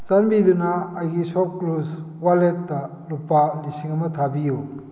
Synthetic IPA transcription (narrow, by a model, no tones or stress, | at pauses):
sanbidunɐːjɡisɔp̚kluswaletːɐ | lupalisiŋɐmɐtʰabiju